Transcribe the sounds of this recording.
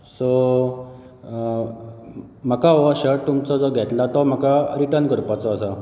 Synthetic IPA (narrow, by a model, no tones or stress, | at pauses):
so | m̤əkaʋɔɕəʈt̪umt͡sɔd͡zɔɡʱɛt̪lat̪ɔm̤əkaɾiʈəɾnɡəɾpat͡sɔːsa